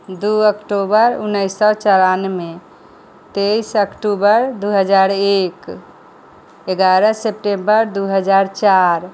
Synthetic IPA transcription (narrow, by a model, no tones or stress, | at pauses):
d̪uəkʈobəɾunːəjsɔt͡ʃəɾanme | t̪ejsəkʈubəɾd̪uɦəd͡ʒaɾek | eɡaɾəsep̚ʈembəɾd̪uɦəd͡ʒaɾt͡ʃaɾ